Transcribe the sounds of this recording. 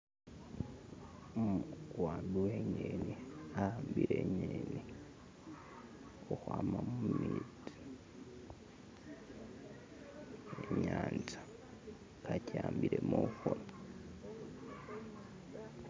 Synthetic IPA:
muɡwaːduweɲeniahaːmbiɾeɲeni | oxwaːmamumiːdi̥ | eɲaːnd͡ʒḁ | kacaːmbiɾemoxona

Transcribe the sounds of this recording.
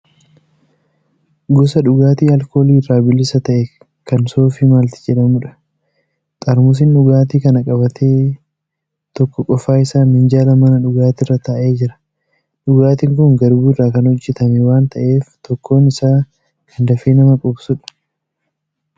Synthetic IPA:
ɡʊsɐᶑʊɡaːt̪iːɐlko̞ːliːrːaːbɪlːɪsɐt̪ɐʔɛ | kɐnso̞ːfiːmaːlt̪ɪ̥d͡ʒɛᶑɐmʊᶑɐ̥ | t̪ʼɐɾmʊs̬ɪnᶑʊɡaːt̪iːkɐnɐkʼɐbɐt̪ʰeː | t̪ɔkːɔkʼɔfːaːɪsaːnhɪnd͡ʒaːlɐmɐnɐᶑʊɡaːt̪ɪrːɐt̪aːʔe̞ːd͡ʒɪɾɐ̥ | ᶑʊɡaːt̪iːŋkʊŋɡɐɾbuːrːaːkɐnɔt͡ʃːɪt̪ɐmɛwaːnt̪ɐʔe̞ːft̪ɔkʰːo̞ːnɪsaː | kʰɐnd̪ɐfeːnɐmɐkʼɔbsʊᶑɐ̥

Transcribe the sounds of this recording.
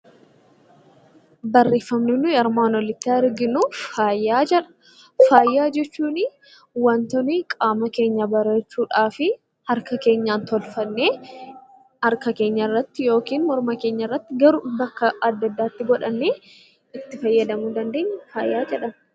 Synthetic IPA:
bɐrːeːfːɐmnɪnːʊjɐɾmaːnwɔlɪt̪ːaɪɾɡɪnufaːjːaːd͡ʒɛᶑɐ̥ | faːjːaːd͡ʒɛt͡ʃːuːnɪ | wɐnt̪ɔniːkʼaːmɐke̞ːɲːɐbɐɾeːt͡ʃːuːᶑaːfɪ | hɐɾkɐke̞ːɲːaːnt̪ɔlfɐnːeː | hɐɾkɐke̞ːɲːɐɪrːɐt̪ːɪjo̞ːkiːnmɔɾmɐke̞ːɲːɐrːɐt̪ːɪɡɐɾʊbɐkːɐɐd̪ːɐd̪ːaːt̪ːɪɡɔᶑɐnːeː | ɪt̪ːɪfɐjːɐd̪ɐmuːd̪ɐnd̪e̞ːɲːɐfaːjːaːd͡ʒɛᶑɐm

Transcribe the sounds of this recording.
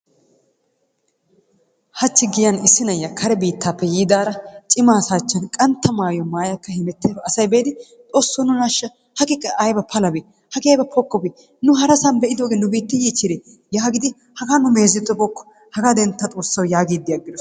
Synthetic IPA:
hɐt͡ʃːɪɡɪjɐnɪsːɪnɐjːɐkʰɐɾɛbiːt̪ʰːaːpːɛjiːd̪aːɾɐt͡ʃʼɪmaːsaːt͡ʃːɐnkʼɐnt̪ːɐmaːjɔmaːjɐkːɐhɪmɛt̪ːeːɐsɐjbeːd̪ɪ | t̪ʼo̞ːsːɔnʊnɐʃːɐ | hɐkʼɪkʼːɐʔɐjbɐpʰɐlɐbi | hɐkʼɪɐjbɐpʰɔkːɔbi | nʊɦɐɾɐsɐnbɛʔɪd̪oːɡeːnʊbiːt̪ːɪjiːt͡ʃːɪd̪e | jaːɡɪd̪ɪ | hɐɡaːnʊmeːzɪt̪ːɔbɔkːɔ̥ | hɐɡad̪ɛnt̪ːɐt̪ʼo̞ːsːɐwjaːɡiːd̪ːɪjɐɡːɪd̪ɔ

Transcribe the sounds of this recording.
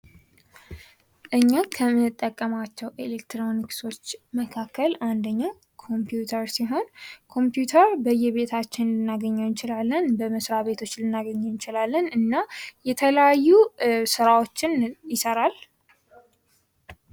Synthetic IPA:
ʔɨɲːakʰəmɨnːɨt̪ʼːəkʼːəmat͡ʃːɛwʔelekt̪ɾo̞nikso̞t͡ʃːməkʰakʰːəland̪əɲːa | kʰo̞mpʰjut̪ʰəɾsiɦo̞nkʰo̞mpjut̪ʰəɾbəjːɛβe̞t̪ʰat͡ʃːɪnlɨnːaɡəɲːɛwjɨnt͡ʃɪlalːənbəməsɾaβe̞t̪ʰo̞t͡ʃːlɨnːaɡəɲːɛwɨnt͡ʃɪlalːənɨnːajɛt̪ʰələjajːusɨɾawo̞t͡ʃːɪnjɪsəɾal

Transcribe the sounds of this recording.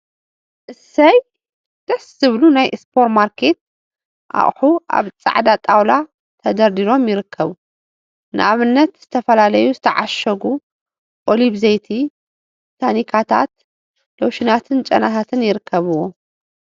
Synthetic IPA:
ʔɨsɐj | d̪̥ɐszɨβlunajʔspʰo̞ɾmaɾkʰe̞t̪̚ | ʔa̰χʼħuʔa̰βt͡sʼa̰ʕd̪at̪ʼawla | t̪ʰɐd̪ɐɾd̪iɾo̞mjɪɾɨkʰːɐβu | nɨ̰ʔaβɨnːɐt̪z̥ɨt̪ʰɐfɐlalɐjuzɨt̪ʰɐʕaʃɐɡu | ʔoliβzɐjt̪ʰi | t̪ʰanikʰat̪ʰa̰t̪̚ | lowʃɪnat̪ʰɨnt͡ʃʼɐ̰naɦat̪ʰɨnjɪɾɨkʰːɐβɨwːo

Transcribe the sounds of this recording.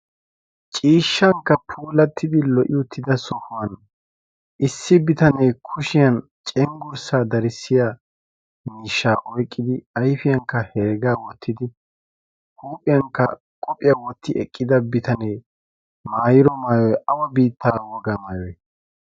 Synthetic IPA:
t͡ʃʼiːʃːɐŋkːɐpʰuːlɐt̪ʰːɪd̪ɪlɔʔɪʊt̪ʰːɪd̪ɐsɔfʊwɐn | ʔɪsːɪbɪt̪ɐnɛjkʰʊʃɪjɐn | t͡ʃʼɛŋɡʊɾsaːd̪ɐɾɪsːɪjaː | miːʃːaːʔɔjkʼːɪd̪ɪɐjfɪjɐŋkːɐhɛːɡaːwɔt̪ʰːɪd̪ɪ | huːpʼɪjɐŋkːɐ | kʼɔpʼɪjɐwɔt̪ːɪʔɛkʼːɪd̪ɐbɪt̪ɐnɛj | maːjɪɾɔmaːjɔjʔɐwɐbiːt̪ːaːwɔɡɐmaːjɔj

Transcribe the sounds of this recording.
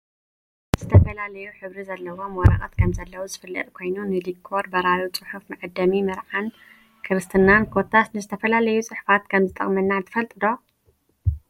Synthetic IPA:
z̥ɨt̪ʰɐfɐlalɐjuħɨβɾizɐlːɐwomwɔɾɐ̰χʼɐ̰t̪kʰɐmzɐlːɐwuzɨfɨlːɨ̰t̪ʼkʰo̞jnunɨlikʰːoɾbɐɾajot͡sʼɨħufmɨʕɨd̪ːɐmimɨɾʕan | kʰɨɾɨst̪ʰɨnːankʰot̪ʰːasnɨzɨt̪ʰɐfɐlalɐjut͡sʼɨħu̥fat̪kʰɐmzɨt̪ʼɐ̰χʼmɐnːant̪ʰɨfɐlt̪ʼɨd̪o

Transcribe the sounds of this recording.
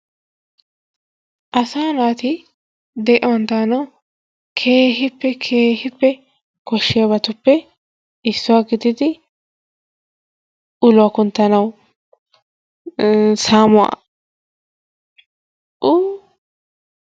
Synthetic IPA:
ʔɐsaːnaːt̪ɪ | d̪ɛʔɛwɔnt̪aːnɐw | kʰeːɦɪpːɛkʰeːhɪpːɛ | kɔʃːɪjabɐt̪ʊpːɛ | ɪsːʊwaɡɪd̪ɪd̪ɪ | ʊlʊwakʊnt̪ːɐnɐw | saːmʊa̰ | ʔʊ

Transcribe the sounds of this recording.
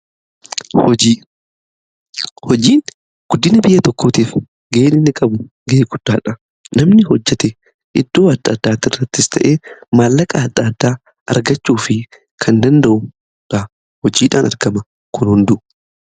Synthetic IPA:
hɔd͡ʒiː | hɔd͡ʒiːn | ɡ̥ʊd̪ːɪnɐbɪjːɐt̪ɔkːoːt̪iːf | ɡeːnɪnːɪkʼɐbʊ | ɡeːɡʊd̪̥ːaːᶑɐ | nɐmnɪɦɔd͡ʒːɛt̪ɛ | ʔɪd̪̥ːo̞ːɐd̪ːaːd̪ːaːt̪ɪrːɐt̪ːɪst̪ʰɐʔe̞ːmaːlːɐkʼaːd̪ːaːd̪ːaː | ɐ̰ɾɡɐt͡ʃːuːfɪ | kʰɐnd̪ɐnd̪ɐʔʊ | ᶑɐ | hɔd͡ʒiːᶑaːnʔɐ̰ɾɡɐmɐ | kʰʊnhʊnd̪ʊ

